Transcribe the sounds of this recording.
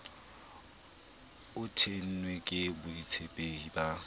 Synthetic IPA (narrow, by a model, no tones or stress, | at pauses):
ʊtʰen̩nwekʼɪbʊit͡sʰepʼeiba